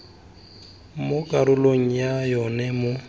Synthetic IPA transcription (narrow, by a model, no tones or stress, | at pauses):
mʊkʼaɾʊloŋ̩jajɔnɛmʊ